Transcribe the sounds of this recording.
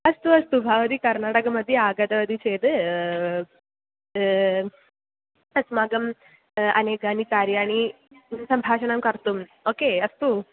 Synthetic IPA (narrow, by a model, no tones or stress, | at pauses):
ɐst̪uɐst̪ubʱaʋɐd̪iːkɐɾnaːʈɐkɐmɐd̪ʱːjeaːɡɐt̪ɐʋɐd̪iːt͡ʃeːd̪ | ɐsmaːɡɐm | ɐ̰neːɡaːnikaːɾjaɽ̃i | sɐmbʱaːʃɐɳɐmkɐɾt̪umokeɐst̪u